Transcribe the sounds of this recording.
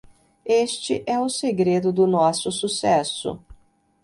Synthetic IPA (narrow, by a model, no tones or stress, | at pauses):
est͡ʃɪ̰ʔɛʊseɡɾed̪ʊd̪ʊnɔsʊsusɛsʊ̰